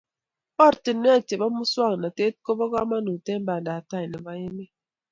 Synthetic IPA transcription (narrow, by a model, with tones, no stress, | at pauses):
ɔ˦˨ɾti˨nːe˦a˨te˨ba˦mu˦swa˦ŋ˨na˨te˦t̚ko˦bɔ˦ɣa˦ma˦nu˨te˦m˦ba˨nda˨ta˦˨jni˨ba˦je˦mi˦